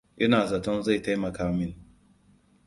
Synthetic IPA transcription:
ʔɪ˦naː˨zɐ˨tɔ˦nza˦˨jta˦jmɐ˨kaː˦mɪ˦ŋ

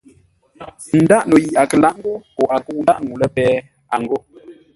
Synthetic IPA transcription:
n̩˨da˦ʔno˨ji˨ʔa˨kə˨la˦ʔŋ̩˦ɡo˦pɔ˨a˨kə˦u˨a˦ʔŋu˨lə˦pɛː˦ | a˨ŋɡo˦

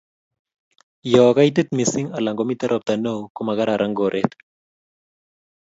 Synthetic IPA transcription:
jɔː˨ka˦jt̪e˦t̪mi˨sɪ˦ŋa˨la˨ŋɡomi˦t̪ɛ˦ɾʔɔ˦p̚t̪a˨no˦wko˦ma˨ɡa˦ɾa˨ɾʔa˦ŋɡo˨ɾʔet̪

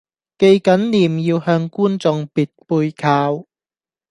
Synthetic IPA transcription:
ke˧jkɐ˨˥nliː˨˩mjiː˧whœː˧ŋkuː˥nt͡sʊ˧ŋpiː˨˩t̚puː˧jkʰaː˧w

